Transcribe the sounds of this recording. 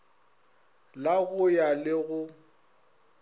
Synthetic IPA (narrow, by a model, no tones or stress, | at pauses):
laɣʊjalɪɣʊ